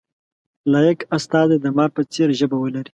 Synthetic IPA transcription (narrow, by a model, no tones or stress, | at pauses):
lɑjakast̪ɑzed̪əmɑɾpət͡seɾʒəbawəlaɾi